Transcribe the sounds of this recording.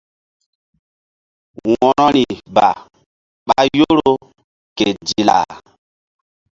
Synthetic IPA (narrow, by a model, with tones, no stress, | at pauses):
wɔ˨ɾɔ˦ɾi˨ba˨ | ɓa˦jo˦ɾo˦ | ke˨d͡ʒi˨la̰˨